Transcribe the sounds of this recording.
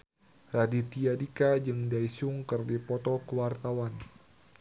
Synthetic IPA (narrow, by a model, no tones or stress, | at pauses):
radit̪iadikad͡ʒɨŋdaisuŋkɨrdipɔt̪ɔkəwart̪awan